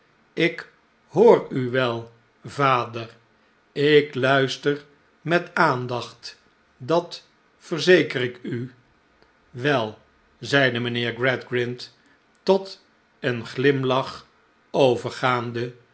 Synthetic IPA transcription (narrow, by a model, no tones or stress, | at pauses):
ɪk | hoːɹyʋɛlˠ | vaːdər | ɪklœɥstər | mɛtaːndɑχt | dɑt | fərzejkərɪky | ʋɛlˠ | zɛjdəmənɪːɹɡɹɛdɡɹɪnt | tɔt | ənχlɪmlɑχ | owvəɹχaːndə